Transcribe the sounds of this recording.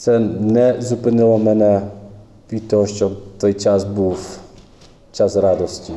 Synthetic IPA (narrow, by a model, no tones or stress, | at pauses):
t̪sɛnɛzupɪnɪlˠɔmɛnɛ | ʋʲid̪t̪ɔɦɔʃt͡ʃɔt̪ɔjt͡ʃasbuw | t͡ʃasrɑd̪ɔsʲtʲi